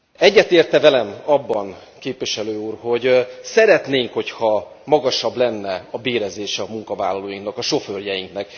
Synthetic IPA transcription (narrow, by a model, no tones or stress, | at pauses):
ɛɟːɛt̪eːrt̪ɛvɛlɛmɒbːɒn | keːpʋiʃɛløːuːrho̞ɟsɛɾɛt̪neːŋkho̞chɒmɒɡɒʃɒblɛnːɛɒbeːɾɛzeːʃɛmuŋkɒvaːlːɒloːjiŋknɒkɒʃo̞føːrjɛjiŋknɛk